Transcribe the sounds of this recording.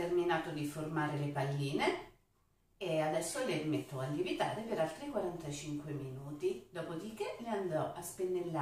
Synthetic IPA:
erminaːt̪od̪iformaːɾelepalːiːne | ead̪ɛsːolerimet̪ːoalːivit̪a̰ːɾepeɾalt̪ɾikwaɾant̪at͡ʃiŋkweminuːt̪id̪ɔːpod̪ik̟eleand̪ɔʔaspenːelːa

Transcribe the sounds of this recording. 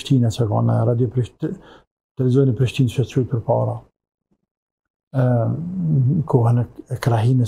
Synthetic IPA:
ʃt̪inɛsɛkɑ̰nɛ̰ɾad̪jɔpɾiʃ | t̪ɛɾizɔjnipɾiʃt̪inʃɛt͡ʃujt̪̚pəɾpɑ̰ɾa | kʰɔɦɛnɛkɾaɦimɛ

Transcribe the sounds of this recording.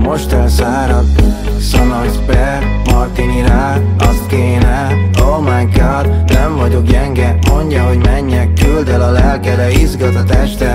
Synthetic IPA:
mo̞ʃt̪ɛrsaːɾɒd̪ | sɒnɒzbɛ | mɒrt̪iniɾa | ɒkeːnɛomaŋkaːd̪nɛɱvɒɟo̞kjɛŋɡɛmo̞ɲɟɒɦo̞ɟmɛɲːɛkyld̪ɛlɒlɛlkɛd̪ɛizɡɒt̪ɒt̪ɛʃt̪ɛ

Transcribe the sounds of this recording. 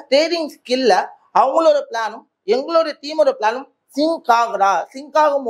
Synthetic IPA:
ʈ̪ɾeːɾɪŋɡskɪlːɐ | ɐʋɐŋɡɐɭoɾɯpɪɭaːnɯm | ɛŋɡɐɭoːɾɯt̪iːmɐɾɯpɪɭaːnɯm | sɪŋkaːɣɯɾaːsɪŋkaːɣɐm

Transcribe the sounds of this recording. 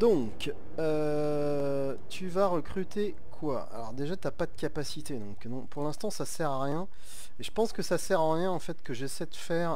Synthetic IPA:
d̪ɔ̃k | ø | t̪ʰyvaʁəkχyt̪e | kʰwaa̰lɔ̰ʁd̪eʒat̪yapad̪əkʲapasit̪ed̪ɔ̃knɔ̃puʁlɛ̃st̪ɑ̃sasɛʁaʁjɛ̃ | eʒəpɑ̃skəsasɛʁɑ̃ʁjɛ̃ɑ̃fɛt̪kəʒɛsɛd̪əfɛːʁ

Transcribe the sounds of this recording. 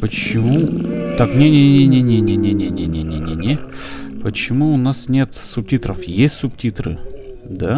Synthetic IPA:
pət͡ɕɪmut̪aknʲenʲenʲenʲenʲenʲenʲenʲenʲenʲenʲenʲenʲepət͡ɕɪmuʊnasnʲe̞t̪sʊp̚tʲit̪ɾəfjesʲtʲsʊptʲit̪ɾɨ̰d̪a

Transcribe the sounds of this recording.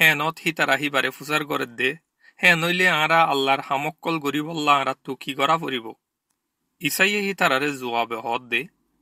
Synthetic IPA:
hɛːnɔt̪hit̪aɾaɦibaɾefus̬aɾɡɔɾɛt̚d̪e | hɛːnojleãːɾaalːaɾhamɔkːɔlɡoɾibɔlːaãːɾat̪ːukiɡɔɾafoɾibɔ | isajehit̪aɾaɾezuabeɦɔːt̪̚d̪e

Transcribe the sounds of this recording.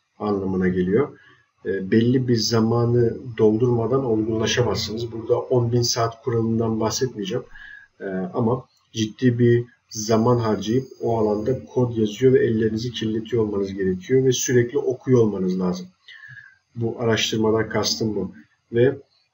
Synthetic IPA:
anlˠamɯnaɟe̞lʲijo̞ː | bɛlʲːibiɾzamaːnɯd̪o̞lˠd̪uɾmad̪ano̞lˠɡunlˠaʃamazɯnɯzbuɾd̪aʔo̞nbinsaːt̪kʰuɾalˠɯnd̪anbaxsɛt̪̚mijd͡ʒamː | ama | d͡ʒid̪ːiːbiɾ | zamanɦaɾd͡ʒejip̚oalˠand̪akʰo̞d̪jazɯjo̞vɛɛlʲːe̞ɾinizicʰilʲːe̞t̪ʰijolˠmanɯzɟe̞ɾe̞cʰijo̞vɛsyɾɛclʲiʔo̞kʰujo̞lˠmanɯzlʲˠaːzɯm | buʔaɾaʃt̪ʰɯɾmalˠaɾkʰast̪ʰɯmbu | vɛ

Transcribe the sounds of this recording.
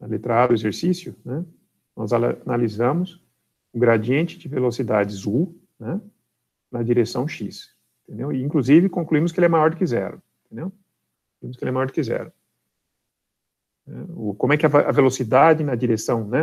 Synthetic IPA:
ɐlet̪ɾaad̪ʊezeɾsisjʊnɛ | nɔzanalizɐ̃mʊs | ʊɡɾad͡ʒiẽnt͡ʃɪd͡ʒɪvelosid̪ad͡ʒɪzu | nɛ̃ | nɐd͡ʒiɾesɐ̃w̃ʃis | ẽt̪ẽnd̪ewɪĩkluzivɪkõkluĩmʊs̬kɪelɛmajɔɾd̪ʊkɪzɛ̰ɾɐ̰̃ẽt̪ẽnd̪ew | kkõkluĩmʊskelɛmajɔɾd̪ʊkɪzɛ̰ɾɐ̃ | nɛʊkõmʊɛkɪɐvʔɐvelosid̪ad͡ʒɪnɐd͡ʒiɾesɐ̃w̃nɛ

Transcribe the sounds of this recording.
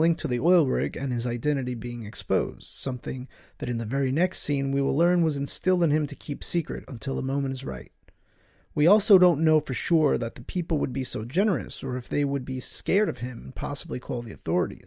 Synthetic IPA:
lɪ̃ŋk̚tʰɨðiɔɪlˠɹɪɡɨ̰̃nɨzaɪdɛ̃ɾ̃ɨɾibiɪ̃ŋɨkspoʊzd̥sʌ̃mθɪ̃ŋ | ðɨɾɨ̃nðɨvɛɹinɛkstsĩnwiwəlɜ̃˞nwʌzɨ̃nstɪlˠɨ̃nɨ̃mtʰɨkʰipsikɹɨ̰ɾə̰̃n̩tʰɪlˠðəmõʊ̃mɨ̃ñtɨzɹa̰ɪt̚ | wiɔlˠsoʊɾõʊ̃nːoʊfə˞ʃʊɹðɨt̪̚ðɨpʰipl̩ˠwəd̚bisoʊd͡ʒɛnə˞ɨ̰sə˞ɨfðeɪwəd̚biskɛɹɾʌv̥ɪ̃mnpʰɑ̰səblikʰɔlˠðiɨ̰θɔɹɨ̰ɾḭz̥

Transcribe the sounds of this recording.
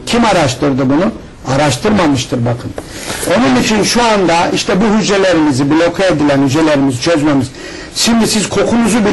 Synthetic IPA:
cʰimaɾaʃt̪ʰɯɾd̪ɯbunu | aɾaʃt̪ʰɯɾmamɯʃt̪ʰɯɾbakʰɯn | o̞nunit͡ʃʰinʃuand̪aiʃt̪ʰɛbuɦyd͡ʒelʲeɾimizibilʲo̞kʰaed̪ilʲænhyd͡ʒelʲeɾimizit͡ʃʰøzmemɯz | ʃimd̪isiz̥kʰo̞kʰunuzubi

